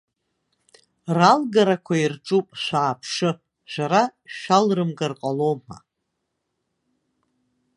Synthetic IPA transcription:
ralɡaɾakʷʰairʈ͡ʂʼupʼʃʷaːpʰʂɨ | ʃʷaɾaʃʷᶣalrɨmɡarqʼaloma̰

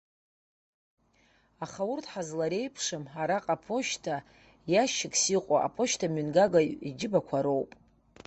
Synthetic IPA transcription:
aχaʊrtʰħazlaɾe̞jpʰʂɨmħaɾaqʼapʰo̞ʃtʰa | jaʃɪkʼsiqʷʼa̰ʔa̰pʰo̞ʃtʰamynɡaɡaḭd͡ʒɪbakʷʰaɾowpʼ

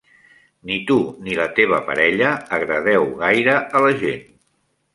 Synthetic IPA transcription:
nit̪unilət̪eβ̞əpə̰ɾɛʎəːɣɾəð̞ɛwɣajɾəələʒen

